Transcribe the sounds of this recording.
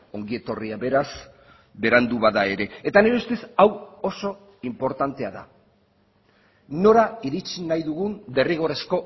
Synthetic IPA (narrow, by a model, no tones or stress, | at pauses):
o̞ŋɡie̞t̪o̞riaβe̞ɾas | be̞ɾand̪uβaðae̞ɾe̞ːt̪aneɾeest̪esawo̞so̞ | impo̞ɾt̪ant̪e̞aða̰ | no̞ɾaiɾit͡ʃinajðuɣund̪e̞riɣ̞o̞ɾe̞sko̞